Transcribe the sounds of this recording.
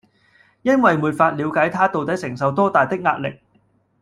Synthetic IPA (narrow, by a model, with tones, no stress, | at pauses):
jɐ˥nwɐ˨jmuː˨t̚faː˧t̚liː˨˧wkaː˨˥jt̪ʰaː˥t̪o˨wt̪ɐ˨˥jsɪ˨˩ŋsɐ˨wt̪ɔː˥t̪aː˨jt̪ɪ˥k̚ŋaː˧t̚lɪ̰˨k̚